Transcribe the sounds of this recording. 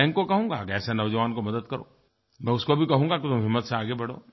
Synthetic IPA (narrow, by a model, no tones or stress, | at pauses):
ɛ̃ːŋkkːokɐɦũːŋɡakɛːsenɐʋd͡ʒɐʋaːnkomɐd̪əd̪kɐɾo̰ː | mɛ̃ʊskobʱikɐɦũːŋɡaket̪ʊmɦɪmːət̪seaːɡebɐɽ̤o̰ː